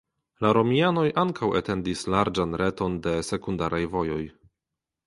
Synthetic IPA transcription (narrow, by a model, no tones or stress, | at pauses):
laɾo̞miano̞jʔaŋkawete̞ndislaɾd͡ʒanɾʔe̞to̞nde̞se̞kundaɾʔajvo̞jo̞j